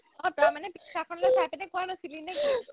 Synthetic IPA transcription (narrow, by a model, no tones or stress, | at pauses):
ɔ̃tamanɛkakʰɔnlɔjpajpanɛkuanɔsilinɛki